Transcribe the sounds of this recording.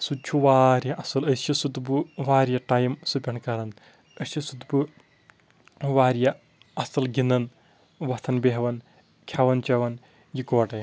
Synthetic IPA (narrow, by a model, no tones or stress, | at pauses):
sut͡ʃʰuʋaːɾjɐʔɐsɐlɐsisut̪buʋaːɾjɐʈajimsupʲɐɳkɐɾɐn | əsisut̪bɨ | ʋaːɾjɐ | ɐsɐlɡinɐn | ʋɐt̪ʰɐnbeɦɐʋɐn | kʲʰɐʋɐnt͡ʃɐʋɐn | jikoːʈɐj